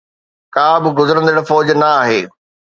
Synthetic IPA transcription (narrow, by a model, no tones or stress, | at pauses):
kaːbɪ̆ɡʊzəɾə̃nd̪eɽəfɔːd͡ʑnɐaːɦeː